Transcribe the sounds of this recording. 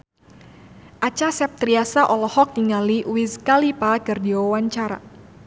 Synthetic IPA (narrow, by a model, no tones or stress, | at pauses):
ʔat͡ʃasɛp̚t̪ɾiasaʔɔlɔhɔk̚niŋaliwizkalipakərdiwawaɲt͡ʃaɾa̰